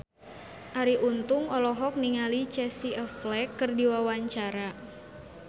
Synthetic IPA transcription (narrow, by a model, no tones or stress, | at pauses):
ʔaɾiʔunt̪ʊŋɔlɔɦɔk̚niŋalit͡ʃɛsiʔəflɛkːɨrdiwawaɲt͡ʃaɾa